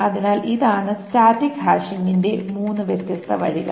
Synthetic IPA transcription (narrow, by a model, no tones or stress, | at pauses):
ɐðinaːlʔiðaːɳɨstaːd̪iɡʱaːɕiŋɡinde̞muːnːɨʋet̪jɐst̪ʰɐʋɐɻiɣɐ̰